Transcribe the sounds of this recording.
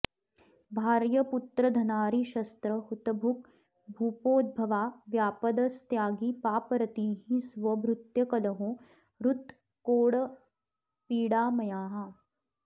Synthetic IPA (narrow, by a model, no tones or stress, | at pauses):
bʱaːɾjɐput̪ɾɐd̪ʱɐnaːɾiʃɐst̪ɾɐhut̪ɐbʱuk | bʱuːpoːd̪̚bʱɐʋaːʋjaːpɐd̪ɐst̪jaːɡiːpaːpɾɐt̪iːɦĩsʋɐbɾut̪jɐkɐlɐɦõː | ɾut̪ | koːɽɐ | piːɽaːmɐjaːɦa